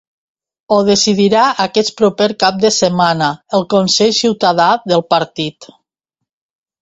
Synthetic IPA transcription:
oð̞esiðiɾaʔəkɛt͡spɾupeɾkap̚d̪əsəmanəəlˠkonseʎsiwt̪aðaðəlˠpəɾt̪it̪

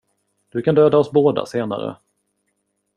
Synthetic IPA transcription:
d̪̥ɵkʰand̪øːd̪aɔsboːd̪a̰seːna̰ɾə̰

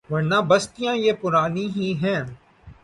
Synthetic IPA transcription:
ʋɐɾnaːbɐst̪ijãjepʊɾaːniɦiɦɛ̃ː

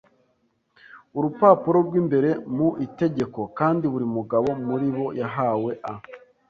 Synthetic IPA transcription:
uɾupaːpuɾo̞ɾɡwiːmbe̞ɾe̞muʔite̞ɟe̞ko̞kaːndiβuɾimuɡaβo̞muɾiβo̞jaɦaːwe̞ʔa

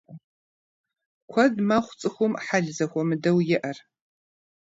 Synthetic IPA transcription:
kʷʰɐdmaχʷt͡sʼɨxʷʊmħaɮzɐxʷɔmɨdɐwjɪʔɐr

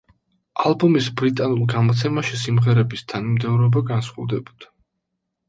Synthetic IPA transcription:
alˠbɔmisbɾit̪ʼanulˠɡamɔt̪sʰɛmaʃisimʁɛɾɛbist̪ʰanmd̪ɛvɾɔbaɡansχɔvd̪ɛbɔd̪̥a

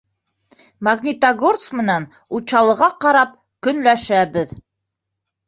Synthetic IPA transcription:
maɡnʲit̪aɡort̪smɘ̆næn | ut͡ɕɑlˠɤ̆ʁɑqɑɾɑp̚ | kɵ̆nlæʃæbɘð

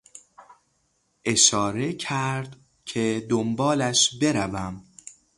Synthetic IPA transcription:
ʔe̞ʃɒːɾe̞cʰæɾd̪ | cʰe̞d̪ombɒːlæʃbe̞ɾævæm

